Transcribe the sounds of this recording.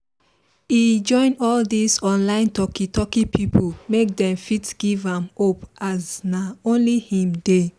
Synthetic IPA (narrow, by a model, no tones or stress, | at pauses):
id͡ʒɔ̃ɪ̃nɔldisɔ̃nlãɪ̃ntɔkitʰɔkipʰipʰolmek̚dɛ̃mfitɡ̥ivãmopaznaõnlihĩmde